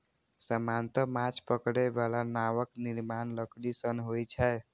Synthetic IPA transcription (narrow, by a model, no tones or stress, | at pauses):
səmant̪əmat͡ʃpəkɽebalanawəkniɾmanləkɽisənɦojt͡ʃʰɛe